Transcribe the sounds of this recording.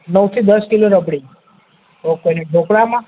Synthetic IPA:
nəwt̪ʰid̪əskiloɾəbɽi | okojneɖʱokɽamã

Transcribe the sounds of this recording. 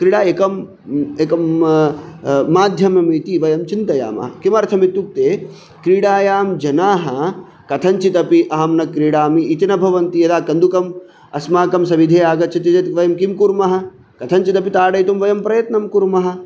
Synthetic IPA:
kɾiɽaːekɐm | eːkɐm | aːd̪ʱjɐmɐmit̪iʋɐjɐmt͡ʃint̪ɐja̰ːmɐ̰ɦɐkimɐɾt̪ʰɐmit̪ːuk̚t̪eː | kɾiːɽaːjaːmd͡ʒɐnaːɦɐ | kɐt̪ʰɐnt͡ʃit̪ɐpiʔɐɦɐmnɐkɾiːɽaːmiʔːt̪ɐnɐbʱɐʋɐnt̪ijɐd̪aːkɐnd̪ukɐm | ɐsmaːkɐmsɐʋid̪ʱeːaːɡɐt̪̚t͡ʃʰɐt̪ɐd͡ʒɐt̪ʋɐjɐmkimkuɾmɐɦɐ̆ | kɐt̪ʰɐnt͡ʃit̪ɐpit̪aːɽɐjt̪umʋɐjɐmpɾɐjɐt̪nɐmkuɾmɐɦɐ̆

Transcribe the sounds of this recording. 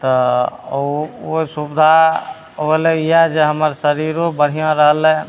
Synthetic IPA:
t̪ɔ | oisubd̪ʱa | oeleijad͡ʒeɦəməɾsəɾiɾobəɽ̤ijãɾəɦəlɛ̃

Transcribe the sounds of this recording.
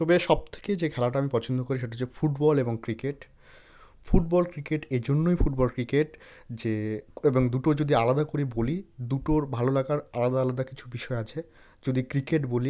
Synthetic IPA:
t̪ɔbeʃɔb̚t̪ʰe̥ked͡ʑekʰɛlaʈaamipɔt͡ɕʰond̪okoɾiʃeʈad͡ʑefuʈbɔleboŋkɾikeʈ | fuʈ̚bɔlkɾikeʈed͡ʑonːojfuʈbɔlkɾikeʈd͡ʑeeboŋd̪uʈod͡ʑod̪ialad̪akoɾibolid̪uʈoɾbʱalolaɡaɾalad̪aalad̪akit͡ɕʰubiʃɔeat͡ɕʰe | d͡ʑod̪ikɾikeʈboli

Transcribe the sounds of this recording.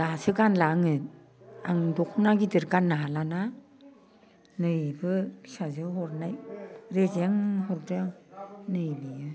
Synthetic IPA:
laasɯɡanlaŋɯ | aŋdɔkʰnaɡidɯɾɡanːaɦalana | nɯjbɯbisazɯɦɔɾnajɾezaŋɦɔɾdɯnɯjlijɯ

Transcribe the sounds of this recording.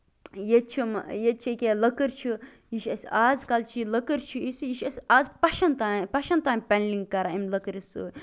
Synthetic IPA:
jet͡ʃʰimjet̪̚t͡ʃʰekʲeləkɨɾt͡ʃʰu | jiʃɐsʲaːzkɐlt͡ʃʰiləkɨɾt͡ʃʰuisɨjiʃɐsʲaːzpɐʃɐnt̪aːpɐʃɐnt̪aːmʲpʲɐnliŋɡkːɐɾaimləkɨɾisɨ̰

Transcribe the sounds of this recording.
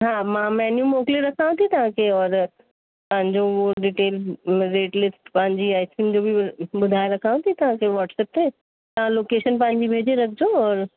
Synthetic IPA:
ɦaːmãːmɛːnjumoːkliɾɐkʰaːʋũt̪ʰit̪ɐʋ̤ãkʰeɔːɾ | t̪ɐɦɪ̃ɲd͡ʑoʊɦoɖiːʈeːlɾeːʈlɪsʈpɐ̃ɦɪ̃ɲd͡ʑiaːɪsind͡ʑoːbʱiɓʊd̪ʱaːeɾɐkʰaːʋũt̪ʰit̪ɐʋ̤ãkʰeʋɔːʈʰsɛːp̚t̪ʰeː | t̪ɐʋ̤ãloːkeːʃənpɐ̃ɦɪ̃ɲd͡ʑibʱeːd͡ʑeɾɐkʰd͡ʑoɔːɾ

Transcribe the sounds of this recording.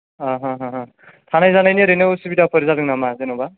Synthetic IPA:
aɦaɦɔɦ | tʰanajzanajniɾenɯwsibidapʰɯɾizadɯŋnamazenɔba

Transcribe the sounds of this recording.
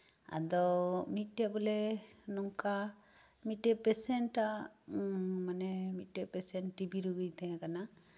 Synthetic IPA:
a̰d̪ɔmiʈːabɔlɛnɔŋka | miʈːepɛsɛɳʈa | manɛmiʈːepɛsɛnʈːibiɾuɡɯjt̪ɛãkana

